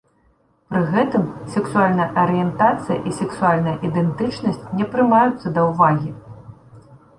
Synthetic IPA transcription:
pɾɨɣɛt̪ɨmsʲɛksualʲnɐjɐʔɐɾɨjɛnt̪at̪sɨjɐ̰ʔisʲɛksualʲnɐjɐʔid̪ɛnt̪ɨt͡ʂnɐsʲt͡sʲnʲɛpɾɨmajut̪sːɐd̪ɐwvaɣʲi

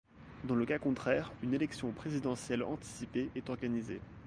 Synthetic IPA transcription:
d̪ɑ̃ləkakɔ̃t̪χɛʁynelɛksjɔ̃pχezid̪ɑ̃sjɛlɑ̰̃t̪i̥sipeʔɛt̪ɔʁɡanize

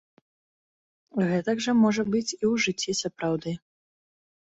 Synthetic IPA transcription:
ɣɛt̪ɐɡʐɐmɔʐɐbɨt͡sʲiwʐɨt͡sʲːisɐpɾawd̪ɨ

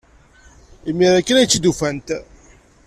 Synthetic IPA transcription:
imːiɾækːənæjt͡sːid̪ufænt̪

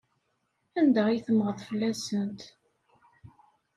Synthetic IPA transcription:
ænd̪əʁjθəmʁəðˤfəlːæsənt̪

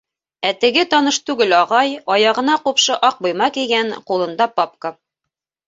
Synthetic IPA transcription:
æt̪ɘ̆ɡɘt̪ɒnɤʃt̪ʉɡɘlɑʁɑjɑjɑʁɤ̆nɑqupʃɤʔɑq̚bujmɑkiɡæɴqulˠɤ̆nd̪ɑpɑp̚kə

